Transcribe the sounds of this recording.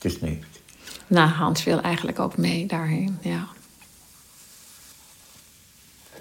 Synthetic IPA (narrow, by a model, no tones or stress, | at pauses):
d̥ɪsnekt | naːɦɑntfɪlˠʔɛ̰jχən̩dlə̰ko̰wkmejdaːɹɦeːnja